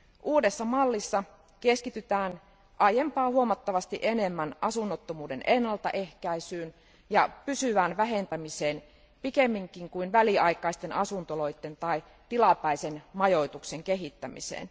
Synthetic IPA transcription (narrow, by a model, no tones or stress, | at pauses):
ʔuːdesːɑmɑlːisːɑ | keskit̪yt̪æːn | ʔɑjempɑːhuomɑt̪ːɑʋɑst̪iʔenemːænʔɑsunːot̪ːomuːde̞nʔenːɑlt̪ɑ̰ʔehkæisyːn | jɑpysyʋæːnʋæɦe̞nt̪æmiseːn | pikemːiŋkiŋkuinʋæliɑikˑɑist̪e̞nɑsunt̪olo̞it̪ːe̞nt̪ɑi | t̪ilɑpæisenmɑjo̞it̪ukseŋkeɦit̪ːæmḭsḛːn